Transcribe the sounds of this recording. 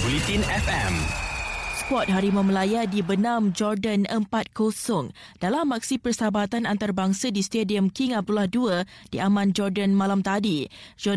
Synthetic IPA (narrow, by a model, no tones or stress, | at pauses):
bulit̪inɛfɛ̃m | spɔt̪̚ɦaɾimə̃məlajadibənãmd͡ʒɔrdənəmpat̪̚kosɔŋ | d̥alamːak̚sipərsabat̪anant̪arbaŋsadist̪ediəmkiŋap̚dulahduədiamãnd͡ʒɔrdənmãlamt̪adid͡ʒɔ